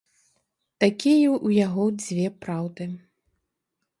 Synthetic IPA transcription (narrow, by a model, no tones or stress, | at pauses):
t̪akʲijɛʔujaɣɔd͡zʲvʲɛpɾawd̪ɨ